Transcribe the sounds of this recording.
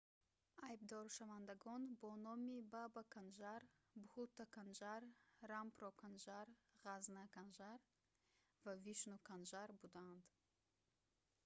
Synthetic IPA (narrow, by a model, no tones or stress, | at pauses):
ajb̚d̪ɔɾʃavand̪aɡɔnbɔnɔmibabakʰanʒaɾ | buhut̪ːakʰand͡ʒaɾːampɾɔkʰanʒaɾʁaznakʰanʒaɾ | vaviʃnukʰanʒaɾbud̪aːnd̪